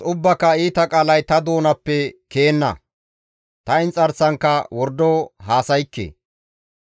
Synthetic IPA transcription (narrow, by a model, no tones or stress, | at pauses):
ʊbːɐkːɐiːt̪ɐkʼaːlɐjt̪ɐd̪o̞ːnɐpːɛke̞ːnːɐ̰ | t̪ɐɪnt͡sʼɐɾsɐŋkːɐwɔɾd̪ːoːɦaːsɐjkːḛː